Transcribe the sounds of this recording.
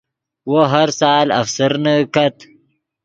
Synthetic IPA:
woɦaɾsɑːla̰fsəɾnəkat̪

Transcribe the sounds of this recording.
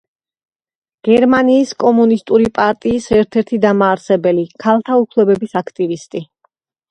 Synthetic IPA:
ɡ̥ɛɾmaniːskʼɔmunist̪ʼuɾipʼaɾt̪ʼiːsɛɾt̪ʰɛɾt̪ʰid̪amaːɾsɛbɛlikʰalˠt̪ʰaukʰlˠɛbɛbisakʰt̪ʼivist̪ʼi

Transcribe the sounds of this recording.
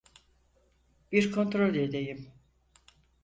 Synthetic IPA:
b̥iɾkʰo̞nt̪ɾo̞lʲd̪ed̪ejim

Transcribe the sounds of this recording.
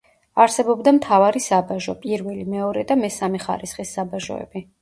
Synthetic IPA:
aɾsɛbɔbd̪amt̪ʰavaɾisabaʒɔpʼiɾvɛlimɛɔɾɛd̪amɛsamɛχa̰ɾisχisːabaʒɔ̰ɛ̰bi

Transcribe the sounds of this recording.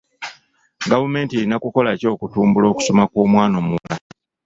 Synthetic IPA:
ɡavume̞ːntieɾinakuko̞laco̞ːkutuːmbulo̞ːku̥so̞makwoːmwaːno̞mula

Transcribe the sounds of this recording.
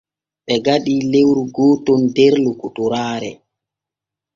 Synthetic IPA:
ɓɛɡaɗilewɾuɡɔːtɔndɛɾlukutuɾaːɾɛ

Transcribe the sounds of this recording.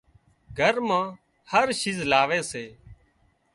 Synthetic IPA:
ɡʱəɾmãː | həɾʃiːzlaːʋeːseː

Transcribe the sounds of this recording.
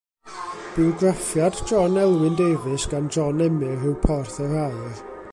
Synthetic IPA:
b̥ɪɔɡrafjadd͡ʒɔnɛlˠwɪndejvɨsɡ̥and͡ʒɔnɛmɪrɨwpʰɔrθɛha

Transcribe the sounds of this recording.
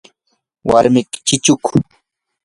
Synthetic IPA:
wa̰ɾmɪkɪ̥t͡ʃɪt͡ʃʊkʊ̥

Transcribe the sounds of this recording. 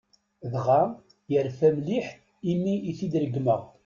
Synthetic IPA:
ðʁa | jəɾfæmliħ | imːiiθid̪ɾəɡməʁ

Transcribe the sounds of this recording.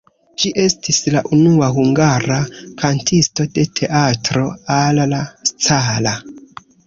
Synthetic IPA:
d͡ʒiʔe̞stʰislaʔunuaɦuŋɡaɾakʰantʰisto̞de̞tʰe̞ʔatɾo̞allast͡sala

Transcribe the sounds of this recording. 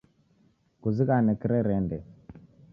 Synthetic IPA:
kuzikanɛkiɾɛɾɛndɛ

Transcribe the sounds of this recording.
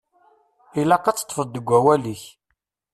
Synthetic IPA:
ilɑqːɑt͡sːə̥t̪ːfəd̪ːəɡʷːæwæliç

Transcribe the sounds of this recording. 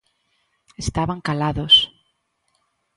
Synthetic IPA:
est̪aβaŋkalaðos

